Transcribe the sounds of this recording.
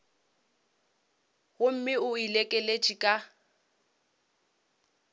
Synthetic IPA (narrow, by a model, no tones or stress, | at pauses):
ɣʊm̩mɪʊilekʼɛlet͡ʃʼikʼa